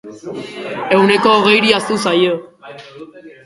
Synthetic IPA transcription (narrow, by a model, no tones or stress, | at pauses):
e̞wne̞ko̞ːɣ̞e̞jɾiast̪usajo